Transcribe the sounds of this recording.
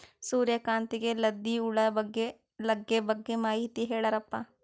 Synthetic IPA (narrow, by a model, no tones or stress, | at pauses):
suːɾjəkãːnt̪iɡelɐd̪ːiʊɭɐɡe | lɐɡːebɐɡːemaːit̪iɦeːɭɐɾɐpːa